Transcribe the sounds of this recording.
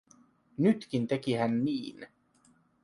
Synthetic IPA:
nyt̪kint̪ekihænːiːn

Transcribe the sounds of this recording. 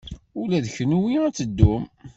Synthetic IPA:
ʊlæðçnuwiæt͡sːəd̪ːum

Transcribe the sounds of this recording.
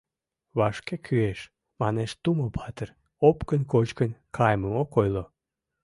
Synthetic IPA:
βɑʃkekʰyeʃ | mɑneʃt̪umopʰɑt̪ər | opkənkot͡ɕkənkʰɑjməmokojlo

